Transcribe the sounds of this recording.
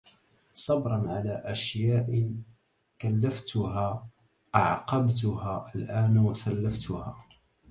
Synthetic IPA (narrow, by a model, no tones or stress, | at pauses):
sˤɑbɾˤɑnʕalaːʔaʃjaːʔɪ | kalːaft̪ʊɦaː | ʔaʕqɑbt̪ʊhaːʔalʔaːnwasalːaft̪ʊhaː